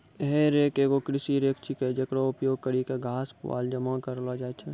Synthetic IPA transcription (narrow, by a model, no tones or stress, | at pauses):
ɦeɾeːkeːɡokɾɪsiɾeːkt͡ʃʰiked͡ʒɐkɽaʊpjoːɡ̚kəɽikeɡʱaːspʋa̰ːld͡ʒɐmãkɐɾlad͡ʒaːt͡ʃʰe